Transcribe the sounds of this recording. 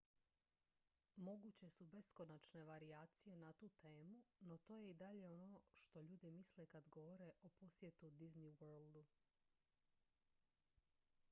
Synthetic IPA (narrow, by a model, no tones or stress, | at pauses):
mo̞ɡut͡ɕe̞sube̞sko̞nat͡ʃne̞ʋaɾiaːt̪sije̞nat̪uːt̪e̞ːmuno̞t̪o̞ːje̞id̪aʎe̞o̞no̞ʃt̪o̞ʎuːd̪imislekad̪ɡo̞ʋoɾe̞ʔo̞po̞sjet̪ud̪izniwøɾlˠd̪u